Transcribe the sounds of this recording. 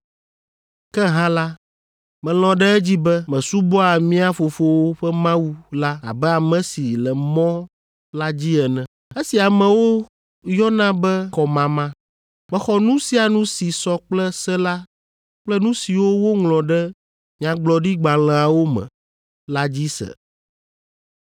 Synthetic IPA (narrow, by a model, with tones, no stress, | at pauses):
kɛ˦ɦã˦la˦ | mɛ̃˨l̃ɔ̃˨ɖɛ˦ɛ˦d͡ʑi˦bɛ˦mɛ̃˨su˦bɔ˦a˨mĩ˦a˦fo˨fo˦wo˦ɸɛ˦mã˦wu˦la˦a̰˨bɛ˦a˨mɛ̃˨si˨lɛ˨mɔ̃˦ | la˦d͡ʑi˦ɛ˨nɛ̃˨ | e˦si˨a˨mɛ̃˨wo˦ | jɔ˦nã˦bɛ˦kɔ˨mã˨mã˦ | mɛ̃˨xɔ˦nũ˦si˦a˨nũ˦si˨sɔ˦k͡plɛ˦sɛ˦la˦ | k͡plɛ˦nũ˦si˨wo˦wo˦ŋlɔ̃˨ɖɛ˦ | ɲã˨ɡ͡blɔ˨ɖi˦ɡ͡ba˨l̃ɛ̃˨a˨wo˦mɛ̰̃˨ | la˦d͡ʑi˦sɛ̰˨